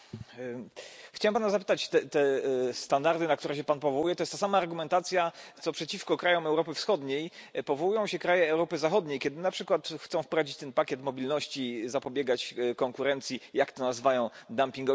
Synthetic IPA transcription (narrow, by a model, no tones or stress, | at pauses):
xt͡ɕawɛmpanazapɘt̪at͡ɕt̪ɛt̪ɛst̪and̪aɾd̪ɘnak̚t̪uɾɛɕɛpanpɔvɔwujɛt̪ɔjɛst̪asamaːɾɡumɛnt̪at̪sʲjat̪sɔpʂɛt͡ɕifkɔkɾajɔmɛwɾɔpɘfsxɔd̪ɲejpɔvɔwujɔ̃w̃ɕɛkɾajɛːwɾɔpɘzaxɔd̪ɲejkʲɛd̪ɘnapʂɘkwat̪xt̪sɔ̃w̃fpɾɔvad͡ʑit͡ɕt̪ɛnpakʲjɛt̪mɔbʲilnɔɕt͡ɕizapɔbʲjɛɡat͡ɕkɔŋkuɾɛnt̪sʲjijakt̪ɔnazvajɔ̃w̃d̪ampʲĩŋɡɔ